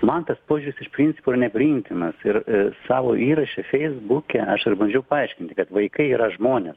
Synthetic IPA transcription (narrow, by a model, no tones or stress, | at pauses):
mɐnt̪ɐspoːʒʲuːɾʲɪsɪʃpʲɾʲinʲt͡sʲɪ̥poɪɾɐnʲɛpʲɾʲiɪmʲt̪ʲɪnɐsɪɾsɑːʋoːʔiːɾɐʃʲɛfʲɛɪzbukʲɛɐʃɪɾbɐnʲd͡ʒʲɛʊpɐɐɪʃʲkʲɪnʲt̪ʲɪkɐt̪ʋɐɪkɐɪiːɾɐʒmoːnʲes